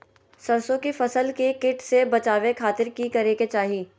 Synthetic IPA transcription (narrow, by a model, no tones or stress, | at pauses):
sɐɾsõkifɐsəlkekɪʈsebɐt͡ʃaːʋekʰaːt̪ɪɾkikɐɾeːket͡ʃaːɦiː